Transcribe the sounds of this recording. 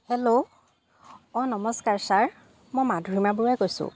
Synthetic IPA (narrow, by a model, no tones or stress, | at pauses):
helo | ɔnɔmɔskaɹsaɹ | mɔjmadʱɹimabuɹajkojsʊ̰̃